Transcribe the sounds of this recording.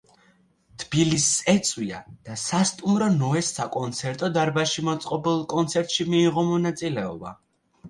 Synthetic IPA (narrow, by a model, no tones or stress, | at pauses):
t̪ʰb̥ilisɛt̪sʼwia̰d̪̥asast̪ʼumɾɔnɔɛsːakʼɔnt̪sʰɛɾt̪ʼɔd̪aɾbaʃimɔt̪sʼqʼɔbɛlˠkʼɔnt̪sʰɛɾt̪ʼʃimiːʁɔmɔnat̪sʼilɛɔba